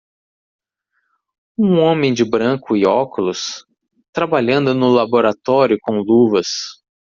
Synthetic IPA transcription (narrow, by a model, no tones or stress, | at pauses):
ũõmẽj̃d͡ʒɪbɾɐ̃kʊɪɔkʊlʊs | t̪ɾabaʎɐ̃nd̪ʊnʊlaboɾat̪ɔɾjʊkõw̃luvɐs